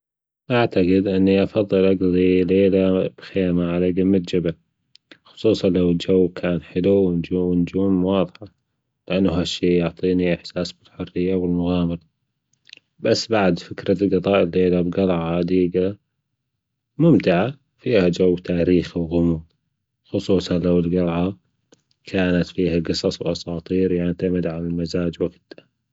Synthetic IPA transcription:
ʔaʕt̪aɡɪd̪ʔɪnːiʔɑfɑðˤːɨlʔɑɡðˤileːlab̥xeːmaʕalaɡamːat̪d͡ʒabal | xʊ̥sˤuːsˤɑnlawɪld͡ʒawːkʰaːnħɪluwɪnd͡ʒuɪnd͡ʒuːmwɑːðˤħa | lɪʔanːʊɦaʃːiːjʊʕt̪ˤiːniʔɪħsaːsbɪlħʊrːɪjːawɪlmʊɣaːmɪɾ | basːbaʕd̪fɪkɾalɡɨðˤɑːʔɪlːeːlabɡɑlʕɑʕʔad̪iːɡa | mʊmt̪ɪʕa | fiːhad͡ʒawːt̪ʰaːɾiːxiwɣʊmu | xʊsˤuːsˤɑnlawɪlɡɑlʕɑ | kʰaːnat̪fiːhaɡɨsˤɑsˤwʔɑsˤɑːt̪ˤiːɾjaʕt̪amɪd̪ʕanɪlmazaːd͡ʒwaɡd̪ḁ

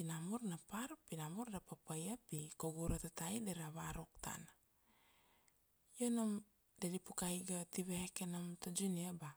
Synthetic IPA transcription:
pinamuɾnapaɾpinamuɾdapapajapikoɡuɾatatajdeɾaβaɾuk̚tʰa̰na | jonam | dedipukajɡatiβehkenamtod͡ʒuniaba

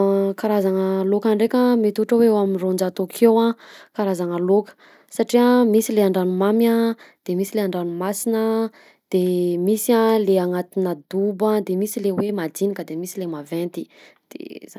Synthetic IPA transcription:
kaɾazaŋəlokaɳɖ͡ʐekʲəmet̪uʈ͡ʂəweewaminrond͡ʒat̪okʰewãkaɾazaŋəlokə̥ | saʈ͡ʂiamisileaɳɖ͡ʐanumamjad̪̥emisileaɳɖ͡ʐanumasinə | d̪̥emisialeaŋat̪inəd̪ubad̪emisilewemad̪inikəd̪emisilemavɛnt̪i̥ | d̪̥ḛa

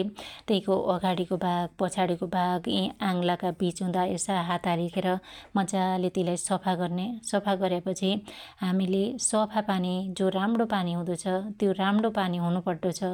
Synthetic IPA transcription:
t̪ʌĩkoʔʌɡaɽikobʱaɡ̚pʌt͡sʰaɽikobʱaɡĩãŋlakabit͡sɦũd̪aesaɦat̪alekʰeɾʌmʌd͡zalet̪ilajsʌpʰaɡʌrnesʌpʰaɡʌɾjapʌt͡sʰiɦamilesʌpʰapanid͡zoɾamɽopaniɦũd̪ʌt͡sʰʌt̪joɾamɽopaniɦunupʌrd̪ot͡sʰʌ

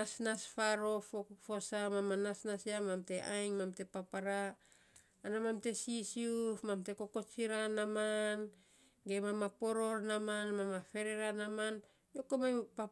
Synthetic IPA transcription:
asnasfaɾo̞fofosamamanasnasiamamte̞ʔajŋmamte̞papaɾaː | namamte̞sisiufmamte̞ko̞ko̞t͡ʃiɾanaman | ɡemamapo̞ɾo̞ɾnamanmamafe̞ɾeɾanaman | jokomapa

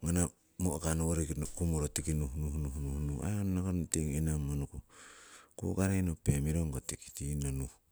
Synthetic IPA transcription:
ŋana | mokanooɾikkumoɾotikinuhnuhnuhnuhnua̰onnakonteŋinamonuku | ko̰ɡaɾajnopemiɾoŋɡotiki̥tinonu

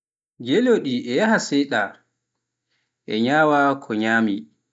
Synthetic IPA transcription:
d͡ʒeloɗiʔɛjahasɛjɗa | ʔɛɲaːwakʰɔɲaːmi

